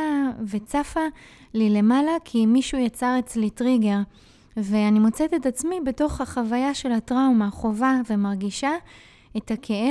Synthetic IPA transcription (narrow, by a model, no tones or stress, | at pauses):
ve̞t͡safa | lile̞malakʰimiʃujat͡saʁet͡slitʁiɡe̞ʁ | ve̞animo̞t͡setetat͡smibe̞to̞χhaχavajaʃe̞lhatʁaumaχo̞vave̞maʁɡiʃa | e̞thakʰe̞e